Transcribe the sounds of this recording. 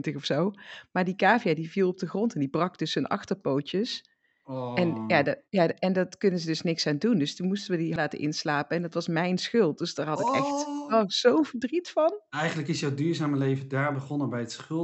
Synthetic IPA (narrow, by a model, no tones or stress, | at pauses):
ntəxɔfsowmaːɹdikaːvijaːdivilˠɔb̚dəχrɔntɛndibrɑk̚d̥ɵsɦɵnʔɑ̰xtəɹpowtəs | ɛnjaːdjaːɛndɑtkɵnənzədɵsnɪksaːndundɵstunmustəʋədiɦlaːtə̰ʔɪ̰nslaːpəɛndɑtʋɑsmɛjnsxʏlˠt̚døsdaːɹɦɑtɪkɛxtʋɛlˠz̥owvəɹdritfɑnɛjχənləkɪsjawdyːɹzaːməlejvədaːɹbəχɔnəbɛjətsχɵ